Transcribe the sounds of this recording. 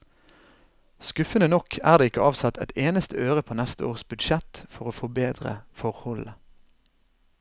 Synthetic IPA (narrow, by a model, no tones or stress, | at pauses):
skʉfənənɔkʰæːʁd̪eːɪkəɑːʋsɑt̪ʰɛt̪ʰeːnəst̪əøːʁəpʰoːnɛst̪əoːʁsbʉd̪ʃɛt̪fɔʁoːfɔbeːd̪ʁə̰fɔʁhɔlə